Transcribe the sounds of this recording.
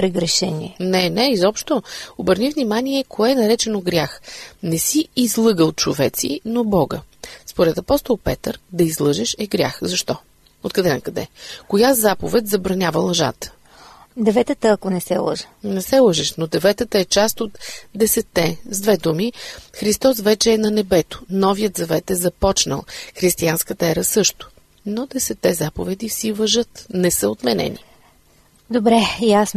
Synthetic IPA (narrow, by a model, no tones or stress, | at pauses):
pɾɛɡɾɛʃɛnʲiɛnɛnɛizɔpʃt̪oobəɾnivnimaniɛkʰoɛnɐɾɛt͡ʃɛnoɡɾʲjaxnɛsiːzlˠɤɡəlˠt͡ʃovɛt̪sḭnobɔɡə̰spoɾɛt̪ɐpɔst̪olˠpɛt̪əɾd̪ɐizlˠɤʒɛʃɛɡɾʲa̰xzɐʃt̪ɔ | ot̪kɐd̪ɛnɐkɐd̪ɛ̰kojazapovɛt̪zɐbɾɐnʲavəlˠɐʒa̰t̪ə̥ | d̪ɛvɛt̪ət̪əɐkonɛsɛ̰lˠə̰ʒə̥nɛsɛlˠəʒɛʃnod̪ɛvɛt̪ət̪əɛt͡ʃast̪ot̪d̪ɛsɛt̪ːɛzd̪vɛd̪umixɾist̪ɔs̬vɛt͡ʃɛːnɐnɛbɛt̪o̥nɔvijət̪zɐvɛt̪ɛzɐpɔt͡ʃnə̰lˠxɾist̪ianskət̪əɛɾəsɤʃt̪ʊ̥ | nod̪ɛsɛt̪ːɛzapovɛd̪ifsivɐʒɤt̪nɛsəot̪mɛnɛ̰nḭ | d̪obɾɛjas